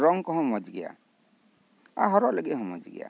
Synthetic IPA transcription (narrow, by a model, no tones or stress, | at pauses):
ɾɔŋkɔɦɔ̃mɔd͡ʒɡija̰ | a̰ɦɔɾɔleɡeɦɔ̃mɔd͡ʒɡḭja̰